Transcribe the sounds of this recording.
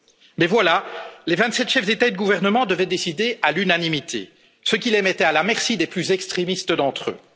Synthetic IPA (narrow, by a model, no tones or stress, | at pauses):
mɛvwalalevɛ̃t̪sɛt̪ʃɛfd̪et̪aed̪əɡuvɛʁnəmɑ̃d̪əvɛd̪esid̪ealynanimit̪ʰḛ | səkʲilɛmɛt̪ɛalamɛʁsid̪eplyzɛkst̪χemist̪əd̪ɑ̃t̪χø̰